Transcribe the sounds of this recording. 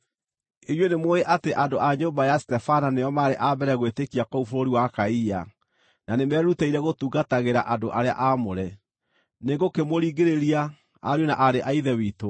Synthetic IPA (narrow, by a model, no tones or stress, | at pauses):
ejwenemoeʔateʔandoʔaɲoːmbajastɛfananejɔmaɾeʔabɛɾɛɣwetekiakɔufoɾoɾiwakaija | nanemɛːɾuteiɾɛɣotuːɣataɣeɾa̰ʔadoʔaɾea̰ʔamoɾɛ | neɡokemoɾiːɣeɾeɾia | aɾjonaʔaɾeʔaiðɛwiːto